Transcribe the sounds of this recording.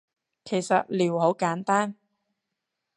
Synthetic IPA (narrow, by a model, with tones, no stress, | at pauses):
kʰe˨˩jsɐ˨t̚liː˨˩who˨˥wkaː˨˥nt̪aː˥n